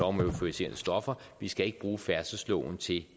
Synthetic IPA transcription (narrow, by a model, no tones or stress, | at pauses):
ɒʊmøʊfʰoise̝̰ːɐnəsd̥ɒ̽fɐʋisɡ̥æe̝ɡ̥əb̥ʁuːfæɐsəslɔ̰ʊ̰n̩t͡sʰe̝l